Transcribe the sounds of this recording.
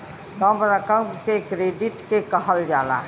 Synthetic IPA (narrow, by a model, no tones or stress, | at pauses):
kəmɾəkəkekɾeːɖɪʈkekəɦəld͡ʒaːla̰ː